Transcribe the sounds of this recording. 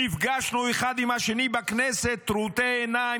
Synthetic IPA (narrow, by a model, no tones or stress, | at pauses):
ifɡaʃnueχad̪imhaʃenibaknɛset̪ːɾut̪eːna